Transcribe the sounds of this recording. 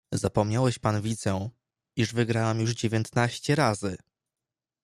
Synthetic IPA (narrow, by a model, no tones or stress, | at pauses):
zapɔmɲawɛɕpanvʲid̪zɛ̃ | iʐvɘɡɾawɛmjuʐd͡ʑevʲjɛnt̪naɕt͡ɕɛɾazɘ